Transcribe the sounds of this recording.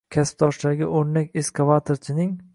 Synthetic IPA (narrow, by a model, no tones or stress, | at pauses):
kʲʰasɪ̥p̚t̪ʰɒʃd̪aɡʲɪ̰ʔoɾnakʲeskʰavat̪ʰoɾt͡ʃʰɪnɪŋ